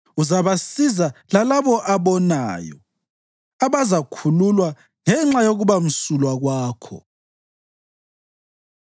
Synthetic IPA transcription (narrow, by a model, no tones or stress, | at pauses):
uzaβasizalalaβɔʔaβɔna̰ːjɔ̰ | aβazakʰululwa | ŋɛŋ͡ǁajoɣuβam̩sulwaɣwaːkʰɔ̰